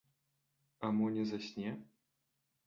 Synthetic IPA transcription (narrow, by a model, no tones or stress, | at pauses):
amunʲɛzasʲnʲɛ